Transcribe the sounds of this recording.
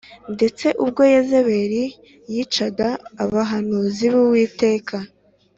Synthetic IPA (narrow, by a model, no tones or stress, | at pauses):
nde̞t͡se̞ʔub̚ɡo̞jeze̞βe̞ɾi | jiːt͡ʃaɡaːβaɦanuːziβuwiːte̞ːkʰa